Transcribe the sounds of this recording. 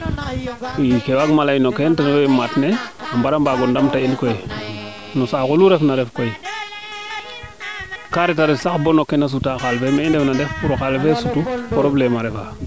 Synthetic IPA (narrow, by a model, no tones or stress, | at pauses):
ikewaɡmalajinokentanowematneambaɾambaɡɔndamtailkoji | nosakuluɾefnaɾefkoi | kaɾetaɾesaxbonokːenas̬utaxalfemeindefnadefpuɾoxalfesutukoɾoblemaɾefa